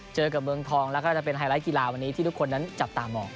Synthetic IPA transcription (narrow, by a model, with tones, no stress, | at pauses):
t͡ɕɤː˧k̬a˨˩mɯ˧əŋt̪ʰɔː˧ŋlɛ˦˥kɔː˥˩t͡ɕa˨˩pe˧nhʰaː˧˩ɾaː˦˥jki˧laː˧wa˧nːi˦t̪ʰiː˥˩t̪u˦˥kʰo˧nːa˦˥nt͡ɕa˨˩p̚t̪aː˨˧mʔɔː˨˩k̚